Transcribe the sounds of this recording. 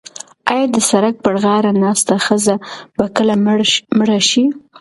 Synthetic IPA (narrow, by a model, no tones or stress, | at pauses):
ɑjɑd̪əsaɾak̚pəɽɣɑɾanɑst̪axəzab̥akəlamɽaʃi